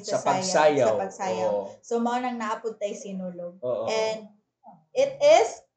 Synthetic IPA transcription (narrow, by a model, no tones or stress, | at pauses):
sɐɐsɐɡjsaːjɐɐwpɐɡsaːjɐwsomɐɐnɐŋnaʔɐpʊt̪̚ːɐjsɪnuːloɡ̚oːʔoɛnd̪̚ | ɪt̪̚ɪs